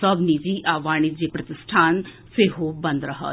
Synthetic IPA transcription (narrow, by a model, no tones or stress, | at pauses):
əbnid͡ʒiːʔaːʋaːɳ̃id͡ʒeːpɾɐt̪ɪsʈʰaːn | seːɦoːbə̃nd̪ɾəɦə̰